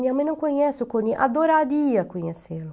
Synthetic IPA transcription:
d̪iamenɐ̃w̃koɲɛsʊkõnd̪iʔa̰d̪oɾaɾiɐkoɲeselʊ

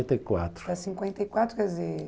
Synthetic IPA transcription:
nt̪ɐikwa̰t̪ɾpɐsĩŋkwẽnt̪ɐikwat̪ɾukɛd̪izeɾ

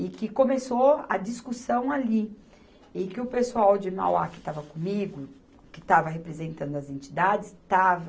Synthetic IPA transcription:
ɪkɪkõmesoɐ̰d͡ʒiskusɐ̃w̃ali | ɪ̃kɪʊpesuawd͡ʒɪma̰wakɪ̥t̪avɐkõmiɡʊ | kɪt̪avɐɦepɾezẽnt̪ɐ̃nd̪ʊɐzẽnt͡ʃid̪ad͡ʒɪst̪avɐ

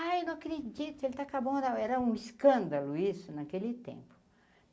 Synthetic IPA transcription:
ajenɐ̃w̃akɾed͡ʒit̪ʊelɪt̪akabõd̪awɛɾɐũiskɐ̃nd̪ɐlʊisʊnakelɪt̪ḛ̃mpʊ̥

